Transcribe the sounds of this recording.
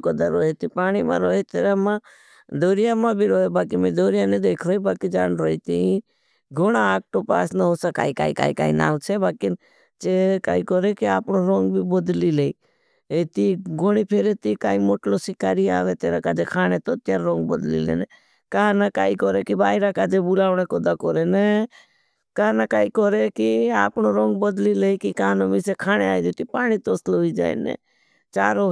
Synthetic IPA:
kod̪əɾoːɦet̪ipaːɽ̃imã̰ːɾoːɦet̪eːɾaːmãː | d̪oːɾɪjamãːbʱiɾoːɦebaːkimẽd̪oːɾijaned̪eːkʰɾoːibaːkid͡ʒaːnɾoːit̪ii | ɡoɽaaːk̚ʈoːpa̰ːsnəɦosaka̰ːika̰ːika̰ːḭka̰ːḭna̰ːʋt͡ʃʰebaːkɪn | t͡ʃeka̰ːikoːɾekiaːpnoɾoːŋɡbʱiːbod̪lilei | et̪iɡoɽ̃ipʰeɾet̪ikaːimoʈlosɪkaːɾia̰ːʋet̪eːɾakaːd͡ʒekʰaːɽ̃et̪ot̪aɾɾõːŋɡbəd̪lḭlḛːne | kaɦãnakaːikɔɾekibaːiɾakaːd͡ʒebʊlaːʋɽekɔd̪akɔɾene | kaanakaːikɔɾekiaːpnoɾõːŋɡbəd̪lileikikanomisekʰaːɽ̃eaːjd̪ot̪ipaːɽ̃it̪oːslɦoid͡ʒa̰ːḭnḛː | t͡ʃaːɾo

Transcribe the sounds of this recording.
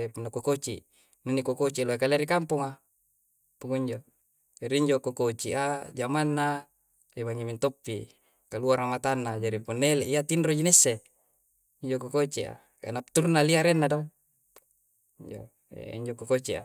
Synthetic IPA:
punːakokot͡ʃḭ | ninːikokot͡ʃialoekaleɾikampuŋa | puŋoiɲd͡ʒo | d͡ʒaɾiiɲd͡ʒokokot͡ʃiʔad͡ʒamanːa | ebaŋimint̪opːi | kaluaɾamat̪anːad͡ʒaɾipunːeleʔiat̪inrod͡ʒinesːe | iɲd͡ʒokokot͡ʃia̰ | ka̰nap̚t̪uɾunːaliaɾenːado | iɲd͡ʒo̰ | ḛḭɲd͡ʒokokot͡ʃia̰

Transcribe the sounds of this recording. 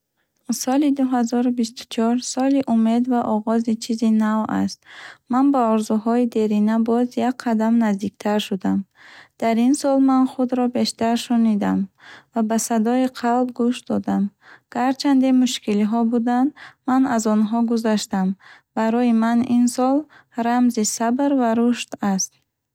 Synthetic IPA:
sɔlid̪uɦazɔɾubist̪u̥t͡ʃʰɔɾsɔliʔume̞d̪vaʔɔʁɔzit͡ʃʰizinava̰st̪̚manbaɔɾzuɦɔid̪e̞ɾinabɔzjakqʰad̪amnazd̪ikt̪ʰaɾʃud̪am | d̪̥aɾinsɔlmanχud̪ɾɔbe̞ʃt̪aɾʃunid̪amvabasad̪ɔiqʰalb̚ɡuʃd̪ɔd̪amɡ̥aɾt͡ʃʰand̪imuʃkiliɦɔbud̪and̪manazɔnɦɔɡuzaʃt̪amb̥aɾɔjimaninsɔl | ɾamzisabɾvaɾuʃt̪ast̪̚

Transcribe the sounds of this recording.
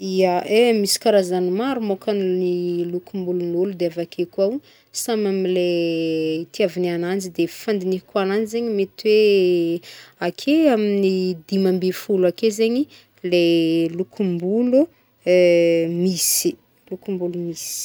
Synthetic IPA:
iaʔemisi̥kaɾazanimaɾumokannilukumbulunulud̪eavakʰekuaw | samamile | t̪iavinianand͡ʒid̪efand̪inikananizeɲimet̪iwe | akʰeaminid̪imambefulakezeɲi | lelukʰumbulu | misi̥ | lukumbulumisi̥

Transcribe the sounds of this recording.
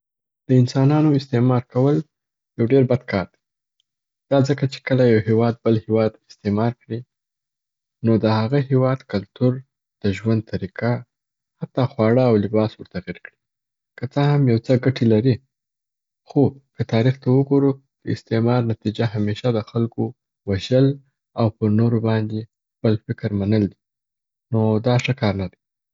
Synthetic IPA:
d̪̥əɪnsɑnɑnoɪst̪emɑɾkawəl | jawɖeɾbad̪̚kʰɑɾd̪e | d̪̥ɑzəkat͡ʃe̥kəlajawhewɑd̪̚bəlhewɑd̪ɪst̪emɑɾkɽi | nod̪əhaɣaɦewɑd̪kalt̪uɾ | d̪̥əʒwand̪̚t̪ʰaɾika | hat̪ːɑxwɑɽəawlɪbɑswəɾt̪aɣiɾkɽi | kət͡səhamjawt͡səɡaʈilaɾi | xokət̪ɑɾixt̪awəɡoɾu | d̪̥əɪst̪emɑɾnat̪id͡ʒaɦameʃad̪əxalko | waʒəl | awpəɾnoɾobɑnd̪e | xpəlfɪkɾmanəld̪i | nod̪ɑʂəkɑɾnad̪a

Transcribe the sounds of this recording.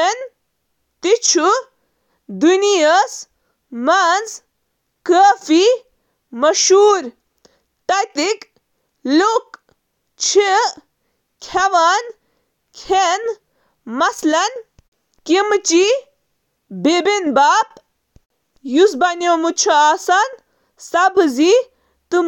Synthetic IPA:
en | t̪it͡ʃʰu | d̪unijəs | mɐnz | kəːfi | mɐʃuːɾ | ʈɐjt̪ik | luk | t͡ʃʰi | kʲʰɐʋɐn | kʲʰen | mɐslɐn | kimt͡ʃi | bebinbaːp̚ | jusbɐnemut͡ʃʰɐaːsɐn | sɐbzi | t̪ɨ

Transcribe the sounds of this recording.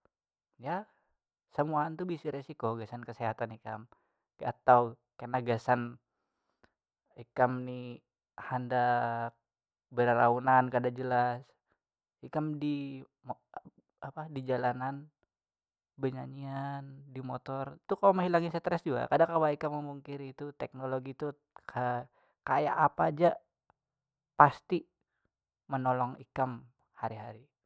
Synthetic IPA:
ja | səmuant̪ubisiɾesikoɡasankəseɦat̪anika̰m | a̰t̪au | kanaɡasan | ikamni | handak̚ | bəɾaɾaunankadad͡ʒəlas | ikamdi | m | apadid͡ʒalanan | bəɲaɲiandimot̪ɔrit̪ukaloməŋɦilaŋisət̪ɾɛsd͡ʒuɡa̰kadakawaikaməmuŋkɪɾit̪ut̪ɛk̚noloɡit̪u | kʰə | kaja̰ʔapad͡ʒaʔ | past̪i | mənolɔŋḭkam | haɾiɦaɾi

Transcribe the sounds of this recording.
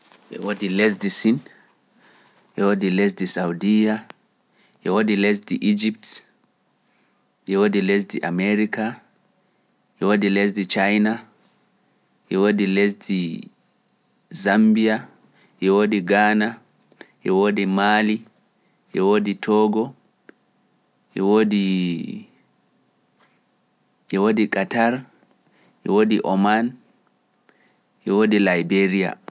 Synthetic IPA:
ʔɛ̰wodilɛs̬disin | ʔɛwodiles̬disawdija | ʔɛwodiles̬diʔid͡ʒip̚t | ʔɛwodiles̬diʔa̰meɾika | ʔɛwodiles̬dit͡ʃajna | ʔɛwodiles̬di | zambia | ʔɛwodiɡaːna | ʔɛwodimaːli | ʔɛwoditʰɔɡɔ | ʔɛwodi | ʔɛwodikataɾ | ʔɛwodiʔɔman | ʔɛwodilajbeɾija̰

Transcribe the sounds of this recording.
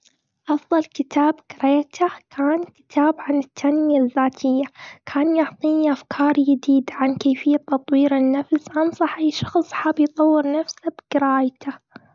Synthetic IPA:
ʔɑfðˤɑlkɪt̪ʰaːbɡɪɾˤeːt̪ʰakʰaːnkɪ̥t̪ʰaːbʕanɪt̪ʰːanjaðːaːt̪ʰɪjːakʰaːnjʊʕt̪ˤiːʔafkʰɑːɾˤjɪd̪iːd̪ʕankeːfɪjːat̪ːɑt̪ˤwiːɾɪnːafsʔɑnsˤɑħajʃɑxsˤħaːbjt̪ˤɑwːɪɾnafsabɡ̥ɪɾaːjt̪ʰa

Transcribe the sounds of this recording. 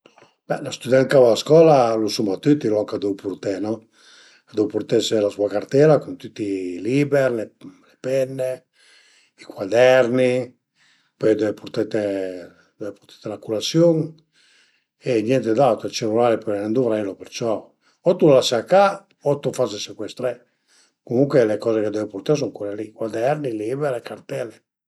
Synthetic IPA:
bɛlast̪ud̪ɛnkavaaskɔlalusumat̪yt̪ːilɔŋkad̪upuɾt̪ɛnɔ | ad̪uwpuɾt̪ɛselasuakart̪ɛɾakunt̪yt̪ːilibeɾlelepɛnːe | ikwad̪ɛɾni | pɔjd̪ɛepuɾt̪ɛt̪e | d̪ɛvepoɾt̪ḁt̪elakulat̪sjoŋ | enjɛnt̪ed̪at̪oelt͡ʃelulaːlepɔenend̪uvɾɛlopert͡ʃɔ | ɔt̪ulasaka | ɔt̪ːufasesekwɛst̪ɾe | komuŋkwelekɔːzeked̪ɛveport̪aɾs̬ɔŋkuɾelikwad̪ɛrniliːbeɾekart̪ɛle

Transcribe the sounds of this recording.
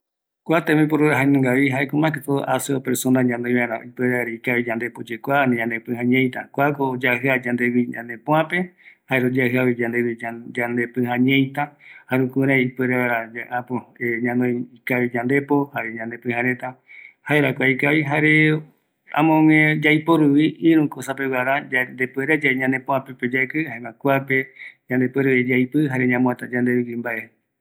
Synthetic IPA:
kʷat̪ẽmĩp̬oɾoɾaɦanɨ̃ŋɡaβiɦaekõmãkakoʔaseopeɾsonãɲãnõj̃βaɾa̰ipeɾeaɾeikaβid͡ʒãnd̪epod͡ʒekʷanẽɲãnd̪epɨ̃hãɲẽj̃t̪a̰kʷakoːd͡ʒaɦɨad͡ʒand̪eβiɲã̰nd̪epõãpehaeɾod͡ʒaɦɨaβid͡ʒad̪eβid͡ʒand̪epɨ̃hãɲẽjt̪ahaɾukuɾajipeɾeβaɾad͡ʒaʔapoeɲãnõjikaβiɲãnd̪e̞pohaɾeɲãnd̪e̞pɨ̃hãɾe̞t̪ahaeɾakʷaikaβiɦaɾe̞ | ã̰mõŋẽd͡ʒajpoɾuwiiɾũkosapewaɾaand̪epeɾed͡ʒaɲãnepõãpeped͡ʒaekɨhaeŋãkʷapeɲãnd̪e̞pweɾed͡ʒajpɨɦaɾe̞ɲãmũat̪ad͡ʒãnd̪eβikimbaʔe̞

